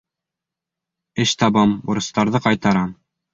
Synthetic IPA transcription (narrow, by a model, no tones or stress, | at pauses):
ɘʃt̪ɑbɤmbŭɾɤ̆st̪ɑɾðɤqɑjt̪ɑɾɑm